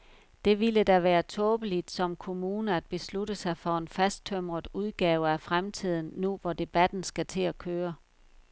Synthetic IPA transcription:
d̥e̝ʋiləd̥æʋæːɐt͡sʰɔ̽ːb̥əlid̥sɒ̽mkʰo̝muːnəæd̥̚b̥e̝sluɾəsɑ̈ɪfɒe̝nfæsd̥̚t͡sʰøm̰ʁɐð̩ˠuð̞ˠɡ̥ɛːʊəæfʁamt͡sʰið̞̰ˠn̩ːuʋɒd̥e̝b̥æd̥n̩sɡ̥æt͡sʰe̝lækʰøːɐ

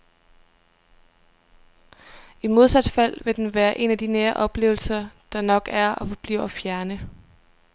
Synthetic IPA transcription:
imo̝ð̞ˠsæd̥fæl̰ʋe̝d̥enʋæːɐʔe̝næd̥ineːɐʔɒ̽b̥le̝̰ːʊl̩sɐd̥ɑ̈nɒ̽ɡ̥æɐɒ̽fɒb̥lḭʊɐfjæɐnə

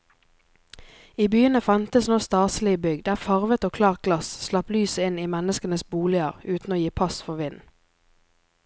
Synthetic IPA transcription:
iːbyːənəfɑnt̪əsnoːst̪ɑːsl̩ɪbʏɡd̪æːfɑʁʋət̪oːkʰlɑːʁ̚ɡlɑsslɑplyːsəɪniːmɛnəskənəsbuːlɪəʁʉːt̪n̩oːjiːpʰɑsfɔʁʋɪn

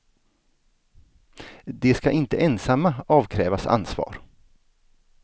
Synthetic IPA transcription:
d̪ɛskaʔɪnt̪əʔɛnsamːaɑːvkʰɾɛːvasa̰nsvɑ̰ːɾ

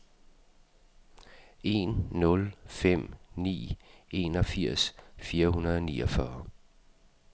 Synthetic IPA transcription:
e̝̰nːɔ̽lfem̰nḭːe̝̰nɒ̽fiɐ̰sfiːɐhunɐðˠɒnḭːɒfɶɐ

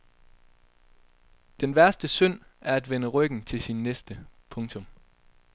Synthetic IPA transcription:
d̥enʋæɐsd̥əsøn̰æɐæd̥ʋenəʁœɡ̥n̩t͡sʰe̝lsinːesd̥əpʰɔ̽ŋt͡sʰɔ̽m

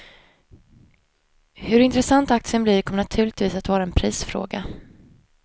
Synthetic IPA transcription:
hɵɾɪnt̪ɾɛsant̪ak̚t̪sɪənblɪɾkʰɔmənat̪ʰʉ̟ːɭɪɡt̪viːsat̪vɑːɾaɛnpʰɾiːsfɾo̰ːɡa

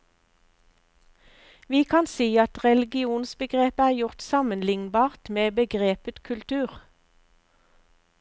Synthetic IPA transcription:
ʋiːkʰɑnsiːɑt̪ʁɛlɪɡɪuːnsbəɡʁeːpæːʁjʊʁt̪sɑmənlɪŋnbɑːʁt̪meːbəɡʁeːpət̪kʰʉlt̪ʰʉːʁ

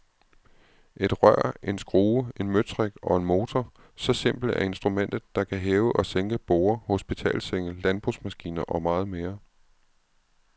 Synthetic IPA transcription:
ʔe̝d̥ʁɶɐ̰ʔe̝nsɡ̥ʁoːe̝nmøt͡sʰʁeɡ̥ɒ̽e̝nmo̝ːt͡sʰɒ | sɒ̽se̝m̰b̥l̩æɐe̝nsd̥ʁumen̰d̥ð̩ˠd̥ɑ̈kʰæɦeːʊəʔɒ̽seŋɡ̥əb̥oːɐho̝sb̥it͡sʰɛ̰ːlseŋ̰əlænb̥ʁusmæsɡ̥ḭːnɐʔɒ̽mɑ̈ːð̞̩ˠme̝ːɐ

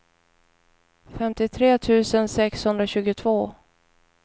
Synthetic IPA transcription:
fɛmt̪ɪt̪ʰɾeːt̪ʰʉ̟ːsənsɛkshɵnd̪ɾaɕʉ̟ːɡʊt̪ʰvoː

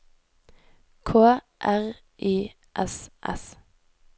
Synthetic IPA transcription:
kʰoː | ʔæʁ | ʔiː | ʔɛsʔɛ̰s

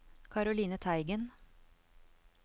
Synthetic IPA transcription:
kʰɑɾʊliːnət̪ʰæɪɡən

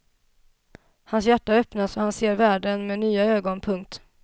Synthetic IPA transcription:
hansjæʈːaœpnasɔhanseːɾvæːɖənmeːnyːaøːɡɔnpʰɵŋk̚t̪

